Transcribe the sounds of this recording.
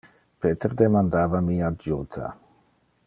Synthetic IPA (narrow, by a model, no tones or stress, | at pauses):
peːt̪eɾd̪emand̪aːvamiadd͡ʒut̪ʰa̰